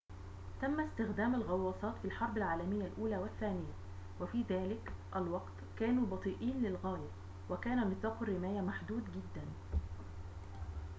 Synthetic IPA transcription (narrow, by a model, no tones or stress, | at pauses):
t̪æmːæst̪ɪxd̪æːmalɣɑwːɑːsˤɑːt̪fiːlħɑɾˤbɪlʕaːlæmɪjːælʔuːlæːwɪθːæːnɪjːæ | wæfiːðæːlɪkʔælwɑqt̪kæːnuːbɑt̪ˤiːʔiːnlɪlɣæːjæ | wækæːnæmɪθɑːqʊrːɪmæːjæmaħd̪uːd̪ɡɪd̪ːæn